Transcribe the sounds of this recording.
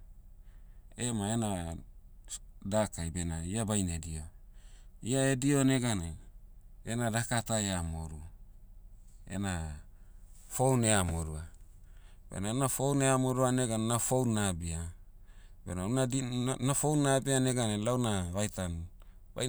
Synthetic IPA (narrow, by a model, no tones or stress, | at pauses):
emaena | dakajbenaiabajnedio | iaedio̞ne̞ɡane | enadakataeamoɾu | ḛna | fowneamoɾua | bḛnanafowneamoɾuaneɡanenafownabia | benananafownabiane̞ɡanelawnaβajtan | ba̰